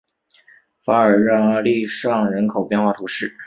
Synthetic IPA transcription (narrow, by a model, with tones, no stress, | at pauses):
fa˧˥ə˞˨˩ɻɑ˥˧ŋ˧li˥˧ʂɑ˥˩ŋɻə˧˥nkʰo˨˩ʊpjɛ˥˧nxwa˥˧t̪ʰu˧˥ʂɻ̩˥˩